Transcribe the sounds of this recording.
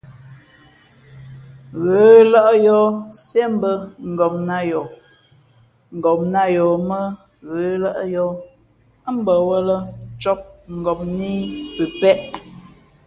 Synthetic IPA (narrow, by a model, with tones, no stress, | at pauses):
ɣəː˨˦lə˦ʔə˦jɔ˦sje˦m˦bə˦ŋ̩˨ɡɔ˨m̚na˦˨jɔ˨ | ŋ̩˨ɡɔ˨m̚na˦jɔ˨mə˦ | ɣə˨˦lə˦ʔə˦jɔ˦ | m̩˦bə˨wə˦lə˦t͡ʃɔ˦p̚ŋ̩˨ɡɔ˨p̚ni˦pə˨pɛ˦ʔ